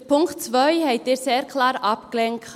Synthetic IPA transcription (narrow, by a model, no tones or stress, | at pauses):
pʰʊŋktt͡svœʏhɛɪt̚deːseːɾkʰlɑːɾʔɑpklɛŋk